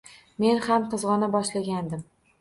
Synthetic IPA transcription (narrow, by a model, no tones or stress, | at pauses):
me̞nhamqʰɨzʁɒnabɒʃlaɡʲand̪ɪm